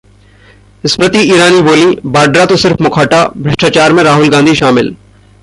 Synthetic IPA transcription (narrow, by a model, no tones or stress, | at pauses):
ɪspɾɐt̪iiːɾaːniboːlĩbaːɖɾat̪osɪɾfmʊkʰaːʈabʱɾɐʃʈaːt͡ʃaːɾmẽɾaːɦʊlɡãːnd̪ʱiʃaːmɪl